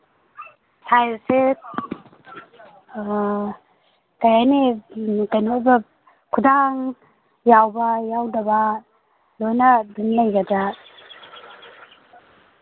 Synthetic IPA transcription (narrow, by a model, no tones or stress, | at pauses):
hajse | kajajnekajnojba | kʰudaŋ | jawbɐjawdɐba | lojnɐdinlajɡɐda